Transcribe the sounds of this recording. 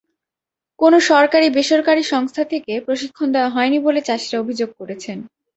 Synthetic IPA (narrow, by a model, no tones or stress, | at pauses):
konoʃɔɾkaɾibeʃoɾkaɾiʃɔŋst̪ʰat̪ʰekepɾoʃikʰːond̪eoaɦɔenibolet͡ɕaʃiɾaobʱid͡ʑoɡ̚koɾet͡ɕʰen